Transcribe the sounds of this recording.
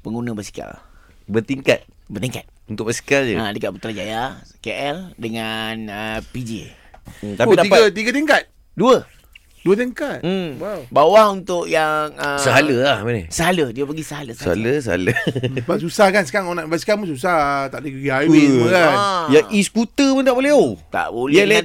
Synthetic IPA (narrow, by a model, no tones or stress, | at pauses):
pəŋunəbəsi̥ka̰l | bət̪iŋka̰t̪̚bərt̪iŋkat̪̚unt̪ʊʔ̚bəsi̥kald͡ʒəadəkat̚pət̪ɾad͡ʒajakeʔɛldəŋanəpid͡ʒḭ | t̪aidaipaət̪iɡət̪iŋkat̪̚ | duə | duət̪iŋkat̪̩̚wawbawahunt̪ʊʔjaŋəsəɦaləlahmanəsəɦalədiəpəɡisəɦaləsəa̰ləs̬əa̰ləbasusahkansə̥kaɾŋonaʔbaskamusus̬at̪aʔdəɡiaiukajaʔisəkut̪əpunt̪aʔbolɛɦot̪a̰ʔbolɛlɛ